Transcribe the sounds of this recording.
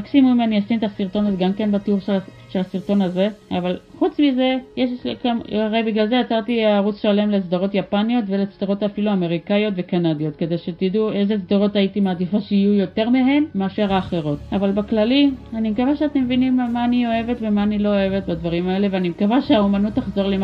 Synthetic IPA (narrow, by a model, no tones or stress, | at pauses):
aksimumaniasinetasiʁt̪o̞nazeɡamke̞nbatuʁʃʃe̞lasiʁto̞naze̞avalχut͡smize̞jeʃkaaʁejbiɡlalzeat͡saʁtiaʁut͡sʃale̞mlet͡sd̪aʁo̞tjapanio̞tvelet͡sd̪aʁo̞tafiluame̞ʁikajo̞tve̞kanadijo̞tke̞de̞jʃetidue̞zet͡sd̪aʁo̞taitimaːdifaʃeijujo̞te̞ʁmeɦe̞mmeːʃaʁaːχeʁo̞tavalbaklalianimekavaʃeat̪emevinimmaːnio̞e̞ve̞tvemaːnilo̞oe̞vetbadvaʁimae̞le̞veanimekavaʃeaomanutːaχzo̞ʁlim